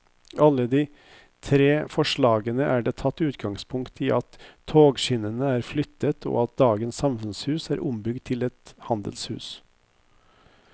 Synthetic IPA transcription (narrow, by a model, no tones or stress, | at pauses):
ɑlːəd̪ɪ | t̪ʰɾeːfɔʂɭɑːɡənəʔæːɖeːt̪ʰɑt̪ːʉːt̪ɡɑŋspʰʊŋkt̪ʰɪːʔɑt̪ʰːoːɡʃɪnənəæːɾflʏt̪ːət̪ʰo̰ɑt̪̚d̪ɑːɡənsːɑmfʉnshʉːsæːɾʔʊmbʏɡd̪t̪ʰɪlɛt̪hɑnd̪ə̰lshʉ̰ːs